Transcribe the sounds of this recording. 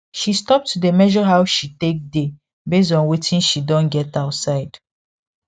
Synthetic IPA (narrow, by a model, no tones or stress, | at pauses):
ʃistɔp̚tʰudemɛʒɔɦaʊʃitek̚de | bes̬dɔ̃nwetʰĩnʃidɔ̃nɡɛtaʊtsaɪd̥